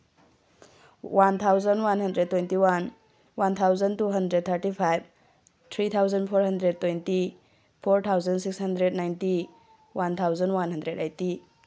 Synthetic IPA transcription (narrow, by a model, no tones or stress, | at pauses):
want̪ʰawzənwanhɐndɾed̚tːojntiwan | want̪ʰawzɐntuɦɐndɾed̚t̪ʰəɾtipʰajb̚ | tʰɾit̪ʰawzɐnpʰoɾɦɐndɾed̚tːojnti | pʰoɾt̪ʰawzɐnsikshɐndɾednajnti | want̪ʰawzɐnwanɦɐndɾedajti